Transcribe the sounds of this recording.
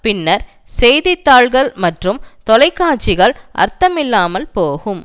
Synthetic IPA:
pɪnːɐɾ | sɛjðɪt̪ːaːɭɣɐɭmɐʈrɯmt̪ɔlɐɪkːaːt͡ʃɪɣɐɭʔɐ̰ɾt̪ɐmɪlːaːmɐlpoːɣɯm

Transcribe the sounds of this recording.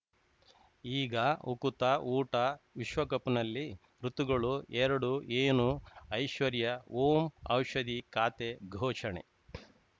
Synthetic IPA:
iːɡɐukut̪ɐuːʈɐʋiʃʋɐkɐpunɐlːi | ɾut̪uɡɐɭuɛɾɐɽueːnuɐjʃʋɐɾjɐoːmɐ̰wʃɐd̪ikaːt̪eɡʱɔːʃɐɳḛ

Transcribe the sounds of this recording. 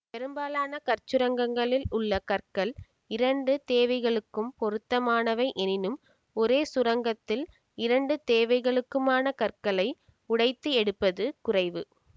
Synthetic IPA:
pɛɾɯmbaːlaːnɐkɐɾt͡ʃːɯɾɐŋɡɐŋɡɐɭɪlʊɭːɐkɐrkɐl | ɪɾɐɳɖɯt̪eːʋɐɪɣɐɭɯkːɯmpɔɾɯt̪ːɐmaːnɐʋɐɪʔɛnɪnɯm | ɔɾeːsʊɾɐŋɡɐt̪ːɪl | ɪɾɐɳɖɯt̪eːʋɐɪɣɐɭɯkːɯmaːnɐkɐrkɐɭɐɪ | ʊɽɐɪt̪ːɯɛɽɯpːɐðɯkʊrɐɪʋɯ

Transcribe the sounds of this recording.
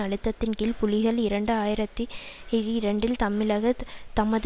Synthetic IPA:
ɐɽɯt̪ːɐt̪ːɪnkɪlpʊlɪɣɐɭɪɾɐɳɖɯaːjɪɾɐt̪ːiɪɾiɾɐɳɖɪlt̪ɐmːɪlɐɣɐt̪ɐmɐð

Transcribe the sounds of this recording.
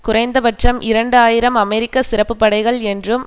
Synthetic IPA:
kʊrɐɪnd̪ɐbɐʈrɐmʔɪɾɐɳɖɯaːjɪɾɐmɐmɛɾɪkːɐsɪɾɐpːɯpːɐɽɐɪɣɐɭɛndrɯm

